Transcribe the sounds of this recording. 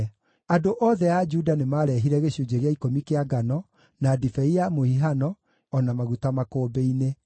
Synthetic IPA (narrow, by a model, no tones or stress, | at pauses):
adoʔɔːðɛad͡ʒuːdanemaɾɛɦiɾɛɣeɕud͡ʒeɣeaikomikeaɡanɔ | nadifɛiamohiɦanɔ | ɔnamaɣutamakoːbeine